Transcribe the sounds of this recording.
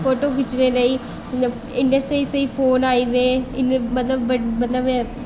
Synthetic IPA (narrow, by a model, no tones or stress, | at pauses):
pʰoːʈoːkɪt͡ʃːɾeːləi | ɪɳɖəsʈeseipʰoːnaːid̪eːɪnmət̪ləbmɐt̪ləb